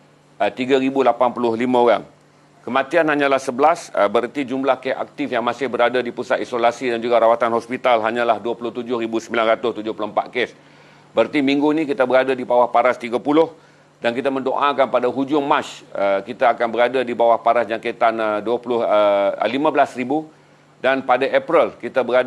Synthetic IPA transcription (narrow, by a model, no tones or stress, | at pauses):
ət̪iɡaɾibulapanpulʊhlimãoɾaŋ | kəmãt̪ianhaɲãlahsəbəlasəbəɾət̪id͡ʒumlahkɛa̰k̚t̪ɪfjaŋmãsɪhbəɾadadipusat̪isolasidand͡ʒuɡaɾawat̪anhɔspit̪alɦaɲãlahduapulʊht̪ud͡ʒʊhribusəmbilanrat̪ʊst̪ud͡ʒʊhpuloəmpa̰t̪̚kɛs | bəɾət̪imiŋɡunĩkit̪abəɾadadibawahpaɾast̪iɡapulʊh | dankit̪amə̃ndo̰ʔakanpadaɦud͡ʒʊŋmat͡ʃəkit̪aːkanbəɾadadibawahpaɾasd͡ʒaŋket̪anduapulʊhə̰limãbəlasribu | danpadaʔɛpɾilkit̪abəɾa